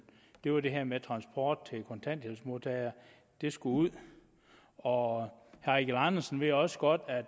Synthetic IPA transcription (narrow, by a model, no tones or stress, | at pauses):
d̥e̝ʋɑ̈d̥e̝ɦæɐmet͡sʰʁɑ̈nsb̥ʰɒ̰ːd̥̚t͡sʰe̝lkʰɔ̽nt͡sʰæn̰d̥helsəmo̝t͡sʰɛɪɐ | d̥e̝sɡ̥uuð̰ˠ | ɒhæiɡ̥lɑnɐsn̩ʋe̝jɒ̽sə̥ɡ̥ɒ̽d̥æd̥